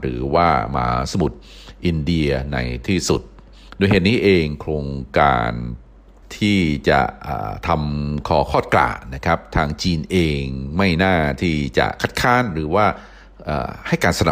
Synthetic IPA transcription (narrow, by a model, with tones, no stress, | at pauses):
ɾɯː˩˦waː˥˩ma̰ː˩˦sa˧mu˨˩t̪̚ | ʔi˧ndi˧ɐna̰˧jt̪ʰiː˥˩su˨˩t̪̚ | du˧jheː˨˩t̪̚niː˦˥ʔeː˧ŋkʰɾoː˧ŋka̰ː˧n | t̪ʰiː˥˩t͡ɕa̰˨˩ʔə̰ː˨˩t̪ʰa˧mkʰɔː˨˩˦kʰɔː˥˩t̪̚kla̰ː˨˩na˦˥kʰɾa˦˥p̚t̪ʰaː˧ŋt͡ɕiː˧nʔeː˧ŋma˥˩jnaː˥˩t̪ʰiː˥˩t͡ɕa̰˨˩kʰa˦˥t̪̚kʰaː˦˥˨nɾɯː˩˦waː˥˩ | ʔa̰ː˨˩ha˥˩jkaː˧nsa˧na˨˩